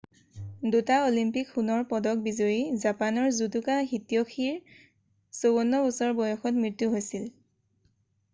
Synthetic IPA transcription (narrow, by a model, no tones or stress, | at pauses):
dutaolimpikxunɔɹpɔdɔk̚bizoɹizapanɔɹzudukaxitijoxiɹ | sowɔnːɔusɔɹbɔjɔxɔt̚mɹitːuɦojsil